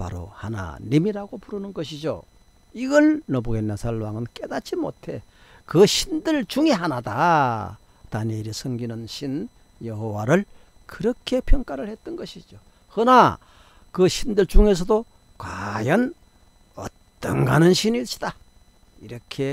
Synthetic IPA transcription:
pa̰ɾo̰hana̰nimiɾaɡopuɾɯnɯnɡʌɕ̬ʰid͡ʑo̰ | iɡʌɭnobuɡenːasʰaɭwaŋɯnk͈e̞d̪at͡ɕ͈imo̰tʰe̞ | kɯɕʰindɯɭt͡ɕuŋiɦanada | t̪aɲeɾisʰʌŋɡinɯnɕʰin | jʌɦowaɾɯɭ | kɯɾʌkʰe̞pʰjʌŋk͈aɾɯɭhe̞t̚t͈ʌnɡʌɕʰid͡ʑo | hɯna | kɯɕʰindɯɭt͡ɕuŋe̞s̬ʰʌdo | kwajʌn | ʌ̰tt͈ːʌ̰ŋɡanɯnɕʰiniɕ͈i̥d̥a | iɾʌkʰe̞

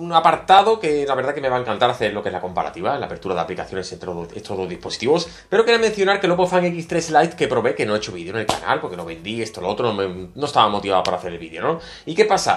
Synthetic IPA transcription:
uŋapaɾt̪aðo̞ke̞laβe̞ɾðake̞me̞βaeŋkant̪aɾaθe̞ɾloke̞zlako̞mpaɾa̰t̪iβaela̰pe̞ɾt̪uɾaða̰plikaθjo̞ne̞set̪ɾoest̪ozðozðispo̞si̥t̪iβo̞s | pe̞ɾo̞keemẽ̞n̟θjo̞naɾkeloofaŋekist̪ɾe̞slajt̪ke̞pɾo̞βe̞keno̞et͡ʃoβiðjone̞lka̰na̰lpoɾkeno̞βe̞nd̪ie̞st̪oloot̪ɾonomenoest̪aβamo̞t̪iβapaɾaθe̞ɾelβiðjo̞no̞ | ike̞pasa̰

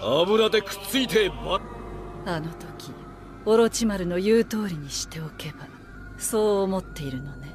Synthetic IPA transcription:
abɯ̟ɾat̪e̞kɯ̟̥t͡sɨit̪ʰema | ano̞t̪o̞kʲi | o̞ɾo̞t͡ɕimaɾɯ̟no̞jɯːt̪o̞ːɾʲiɲ̟iɕi̥t̪e̞o̞ke̞ba | so̞ːmo̞t̪ːe̞iɾɯ̟no̞ne̞

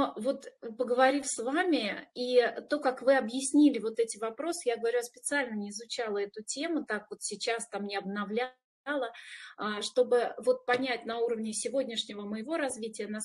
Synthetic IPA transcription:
novo̞t̪pəɡəvɐɾʲifsvamʲɪit̪o̞kakvɨɐbjɪsʲnʲilʲɪvo̞t̪ɛtʲɪvɐpɾo̞sɨ̥jaɡəvɐɾʲʉɐspʲɪ̥t̪sɨalʲnənʲɪɪzʊt͡ɕalˠəɛt̪ʊtʲe̞mʊt̪akvot̪sʲɪt͡ɕast̪amnʲɪɐbnɐvlʲa | lˠəaʂt̪o̞bɨvo̞t̪̚pɐnʲætʲnɐuɾəvnʲɪsʲɪvo̞dʲnʲɪʂnʲɪvəməjɪvo̞ɾɐzvʲitʲɪjəna

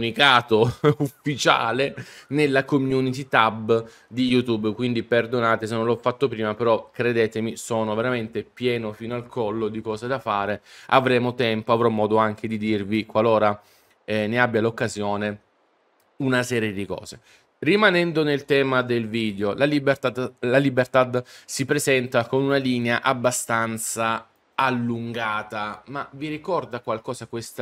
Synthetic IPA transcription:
unikaːt̪oufːit͡ʃa̰ːlenelːakomjunit̪it̪abː | d̪ijut̪ubːkwind̪iperd̪onaːt̪es̬enːonlɔfːat̪ːopɾiːmapeɾɔkɾed̪eːt̪emisoːnoveɾament̪epjɛːnofiːnoalkʰɔlːod̪ikɔːzad̪afaːɾea̰vɾɛːmot̪ɛmpoavɾɔmːɔːd̪oaŋk̟ed̪id̪irvikwaloːɾa | ɛneabːjalokːazjoːne | unasɛːɾjed̪ikɔ̰ːze | rimanɛnd̪onelt̪ɛːmad̪elviːd̪eolaib̪lalibert̪ad̪sipɾezɛnt̪akonunaliːneaʔabːast̪ant̪saː | lːuŋɡaːt̪amaviɾikɔrd̪akwalkɔːzakwest̪

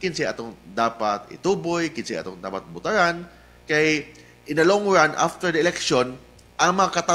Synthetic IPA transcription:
kɪnsiʔat̪oŋd̪aːpat̪ɪ̰t̪uːbojkɪnsɪʔa̰t̪oŋd̪a̰ːpat̪̚bʊt̪aɾan | kaj | ʔɪnɐloŋɹanʔa̰ft̪əɹd̪ɐɪlɛkʃon | ʔaŋmɐŋakat̪a

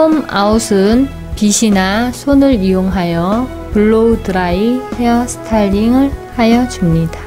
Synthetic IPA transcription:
oma̰usʰɯn | piɕʰinasʰonɯɭijoŋɦajʌ | puɭːodɯɾaihejʌsʰɯ̥tʰaʎːiŋɯɭhajʌd͡ʑumɲida

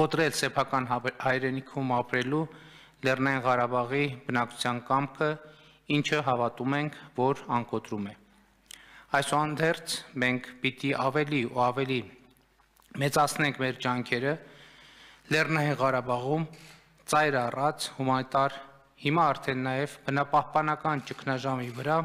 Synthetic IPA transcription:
kɔt̪ɾɛlsɛpʰɑkɑnhɑjɾɛnikʰumɑpɾɛlu | lɛrnɑjinʁɑɾɑbɑʁibənɑkʰu̥t͡sʰjɑnkɑmkʰə | int͡ʃʰəɦɑvɑt̪umɛŋkʰvɔɾɑŋkɔt̪ɾumɛ | ɑjsɔɑnd̪ɛɾt͡sʰmɛŋkʰpit̪iʔɑvɛliɔɑvɛli | mɛt͡sɑt͡sʰnɛŋkʰmɛɾd͡ʒɑŋkʰɛɾə | lɛrnɑjinʁɑɾɑbɑʁum | t͡sɑjɾɑrɑt͡sʰhumɑnit̪ɑɾ | himɑːɾt̪ʰɛnːɑjɛvbənɑpɑhpɑnɑkɑnt͡ʃəkʰnɑʒɑmivəɾɑ

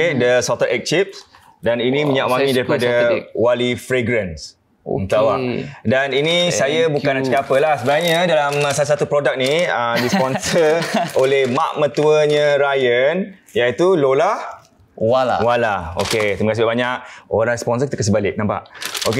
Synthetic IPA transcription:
edəsɔt̪əɾʔɛk̚t͡ʃip̚s | daninimiɲaʔwaŋidaɾipadawalifɾeɡɾəns | o̰mt̪awadaninisajəbukanat͡ʃkapəlahsəbəɡaɲədalamsalasat̪upɾodak̚niədispɔnsəolehmaʔmə̃t̪uəɲə̃ɾajən | jait̪ulolah | walao̰ket̪iməkasibabaɲak̚oɾãŋspɔns̬əkit̪əkəsəbalɪk̚nampa̰ʔoke

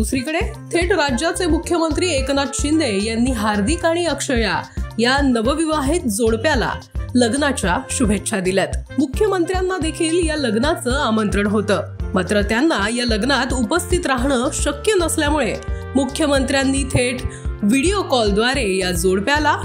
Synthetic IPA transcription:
d̪usɾikəɽet̪ʰeʈɾad͡ʑjat͡semukʰːjəmənt̪ɾiːeknat̪ɕind̪ejanːiːɦaɾd̪ʱikaɽ̃iəkʂəjajanəʋəʋiʋaɦit̪̚d͡zoɽpjala̰ | ləɡnat͡ɕjaɕubʱetːʂʰad̪iljat̪mukʰjəmənt̪ɾjanːad̪ekʰiːljaləɡnat͡səːamənt̪ɾəɳɦot̪əːmat̪ɾət̪janːajaləɡnat̪upəst̪it̪ɾaɦɳəːɕəkjənəsljamuɭe | mukʰjəmənt̪ɾjanːiːt̪ʰeʈʋiɽiokɔld̪ʋaɾejad͡zoɽpjala

